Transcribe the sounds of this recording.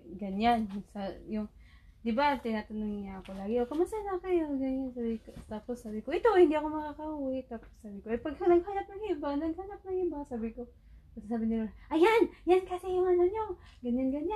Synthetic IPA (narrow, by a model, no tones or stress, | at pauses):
ɡɐɲansajʊŋ | d̪ɪbat̪ɪnaːt̪ɐnoŋɪɲaɐkolaːɡɪʔokɐmasanakajoɡaɲansabɪk̪akosaːbɪkoʔɪt̪ohɪ̃nd̪iʔɐkomɐkakɐʔuwɪt̪aːpo̥saːbɪkoʔɐjpɐɡkonɐɡhanɐp̚nɐŋhibanɐɡ̚haːlap̚nɐŋhiːbasaːbɪko | pɐsasaːbɪnɪlaʔɐjanjankasɪjʊŋanaɲo | ɡɐɲanɡɐɲa